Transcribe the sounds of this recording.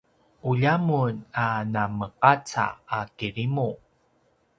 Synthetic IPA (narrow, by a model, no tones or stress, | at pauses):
uʎamunanaməqat͡sa̰ːkiɾimu